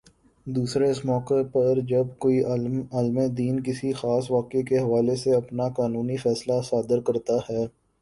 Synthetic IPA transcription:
d̪uːsɾeɪsmɔːkepɐɾd͡ʒɐbkoːiaːlmed̪iːnkɪsixaːsʋaːkekeɦɐʋaːleseɐpnakaːnuːnifɛːslasaːd̪əɾkɐɾt̪ahɛː

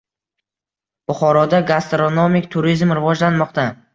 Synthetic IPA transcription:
b̥ʊχɒɾɒd̪aɡast̪ɾonomɪkʲt̪ʰʊɾizmɾɪvɒd͡ʒlanmɒqt̪a

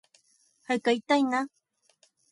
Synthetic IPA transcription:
hakajt̪ajna

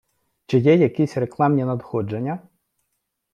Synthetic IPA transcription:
t͡ʃɪjɛjɐkisʲreklˠɑmnʲinɐd̪xɔd͡ʒenʲːɐ

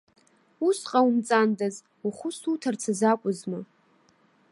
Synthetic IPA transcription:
usqʼaumt͡sʼandaz | uχʷʊsutʰart͡sʰazakʷʼʊzmɨ

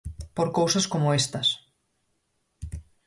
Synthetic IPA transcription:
poɾkowsɐskomoest̪ɐs

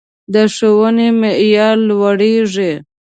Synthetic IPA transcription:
d̪əʂowənemeʔjɑlwaɽeʐe

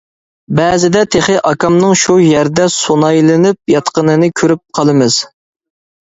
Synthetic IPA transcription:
bɛzɪd̪ɛt̪ʰeχɨʔɑkɑmnɨŋʃujæɾd̪ɛsonɑjlˠɪnyp̚jɑt̪qənɨnɨkʲʰøɾyp̚qʰɑlˠɨmɨz̥

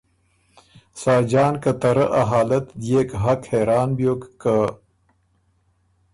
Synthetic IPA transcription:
saːd͡ʒɑːnkɐt̪ɐɾəʔɐɦaːlɐt̪d̪jeːkɦɐkheɾɑːnbjokːə

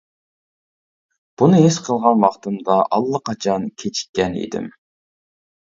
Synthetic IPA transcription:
b̥unɨɦisqʰəlˠʁɑnwɑχt̪ɨmd̪ɑʔɑlˠːəqʰɑt͡ʃʰɑnkʲʰet͡ʃʰi̥t̪̚ʲkʲːɛnḭd̪ɪ̰m

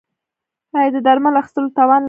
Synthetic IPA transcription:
ɑjɑd̪əd̪aɾmalaxɪ̥st̪əlot̪ɑwɑnl

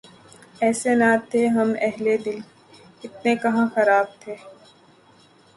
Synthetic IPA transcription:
ɛːsenaːt̪ʰːeɦɐmɛɦled̪ɪl | ɪt̪nekɐɦãxɐɾaːb̚t̪ʰeː

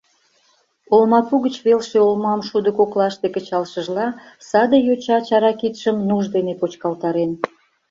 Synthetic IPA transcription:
olmɑpuɣət͡ɕβelʃeolmɑmʃud̪əkoklɑʃt̪ekə̆t͡ɕɑlʃəʒlɑ | sɑd̪ejot͡ɕɑt͡ɕɑɾɑkit̪ʃəmnuʒd̪enepot͡ɕkɑlt̪ɑɾen

